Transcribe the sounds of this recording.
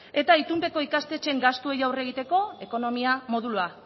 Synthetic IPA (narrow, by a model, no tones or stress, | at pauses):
e̞t̪ait̪umpe̞ko̞ikast̪e̞t͡ʃe̞ŋɡast̪uejawre̞ɣ̞it̪e̞ko̞e̞ko̞no̞miamo̞ð̞ulua